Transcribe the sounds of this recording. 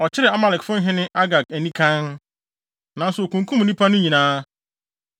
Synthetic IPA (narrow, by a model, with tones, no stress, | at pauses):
ɔ˨t͡ɕʰɪ˦ɾɪ˨a˦ma˨lɪ˨kfʊ̃˦n˦ɦɪ̃˦nɪ̃˦ʔa˦ɡa˨kɛ˨nĩ˦kʰã˦n | nã˨˦n̩˦sʊ˨o˨kũ˨ŋ˨kʰu˦m˨nĩ˦pʰa˦nʊ̃˦ɲĩ˨nãː˦